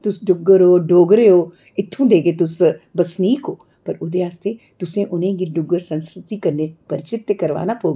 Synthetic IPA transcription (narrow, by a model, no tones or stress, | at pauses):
t̪ʊsɖʊɡːəɾɦoːɖʱoːɡɾeɦoː | ɪt̪ʰːũd̪eːɡet̪ʊsbɐsniːkoː | pɐɾʊd̪eaːst̪ʰe | t̪ʊsẽʔʊnẽɡiɖʊɡːəɾsɐ̃nskɾɪt̪ikɐɾnepɐɾɪt͡ʃɪt̪jəkɐɾʋa̰ːnapoːɡ